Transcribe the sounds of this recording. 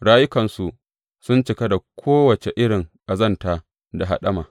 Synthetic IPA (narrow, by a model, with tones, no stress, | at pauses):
ɽaː˦jʊ˦kɐ˨nsu˨ | sʊ˦nt͡ʃɪ˨ka˦da˨kʷʰoː˦wɐ˨t͡ʃe˨ʔɪ˦ɽɪ˨ŋʔa˨zɐ˦˨nta˨ | da˨ɦa̰˨ɗɐ˦ma̰ː˨